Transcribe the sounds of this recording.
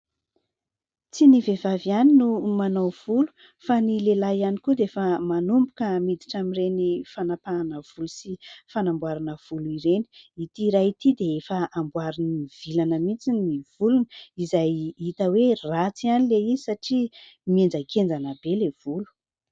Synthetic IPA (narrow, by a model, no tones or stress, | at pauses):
t͡sinivevavianinumanowv̥ulu̥ | fanilelajanikud̪eefəmanumbu̥kəmid̪iʈ͡ʂamiɾenifanapaanəv̥ulusifanambwaɾanəv̥uluiɾeni̥it̪iɾait̪id̪eefəambwaɾiniv̥ilanəmit͡siniv̥ulunizajit̪əwerat͡sianileizisaʈ͡ʂi | miend͡zakʰend͡zanəbelev̥ulu̥